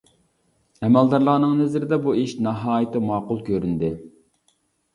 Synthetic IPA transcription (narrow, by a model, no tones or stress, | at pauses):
ɛmɛlˠd̪ɑɾlˠɑːnɨŋnɪzɪɾɪd̪ɛbueʃnɑɦɑːjɪt̪ʰɪmɑːqʊlˠkʲʰøɾynd̪ɪ